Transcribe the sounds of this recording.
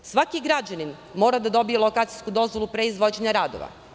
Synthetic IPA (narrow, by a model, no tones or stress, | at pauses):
sʋakiɡɾad͡ʑanin | mo̞ːɾad̪ad̪o̞bijelˠo̞kaːt̪sijskud̪o̞zʋo̞lˠupɾe̞izʋo̞d͡ʑeɲaɾaːd̪o̰ʋa̰